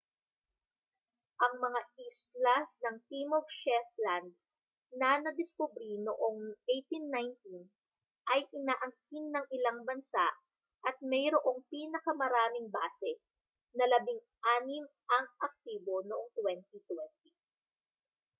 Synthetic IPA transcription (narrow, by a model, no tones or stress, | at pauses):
ʔɐŋmɐŋaʔist̪lɐsnɐŋt̪imovʃɛfland̪̚ | nɐnɐd̪ɪskʊbɾinoʔo̞ŋʔejt̪inːajnt̪in | ʔɐjʔɪnaːʔɐŋk̚inːɐŋʔɪlaŋbɐnsa̰ʔ | ʔɐt̪̚mɛjɾoʔo̞ŋpiːnɐkɐmɐɾaːmɪŋbaːsɛ | nɐlɐbɪŋ | ʔaːnɪmʔɐŋʔɐk̚t̪iːbo̞noʔoŋt̪wɛnt̪it̪wɛnt̪i